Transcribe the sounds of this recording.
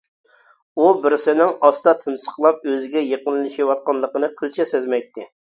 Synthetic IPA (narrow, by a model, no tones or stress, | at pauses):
ubɪɾsɪnɪŋɑst̪ɑt̪ʰɨnsə̥qlˠɑp̚øzɪɡʲɛjeqənlˠɨʃiwɑt̪̚qɑnlˠəqənɨqʰəlˠt͡ʃʰɛsezmɛjt̪ʰːɪ